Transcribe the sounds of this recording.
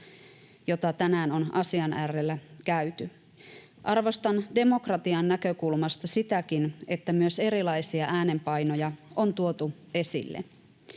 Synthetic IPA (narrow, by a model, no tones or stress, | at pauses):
jo̞t̪ɑt̪ænæːno̞nɑsiɑnærːelːækæyt̪y | ʔɑrʋo̞st̪ɑnde̞mo̞krɑt̪iɑnːækø̞kulmɑst̪ɑsit̪ækine̞t̪ːæmyøse̞ɾilɑjsiɑʔæːne̞mpɑjno̞jɑo̞nt̪uo̞t̪u | e̞sḭlːḛ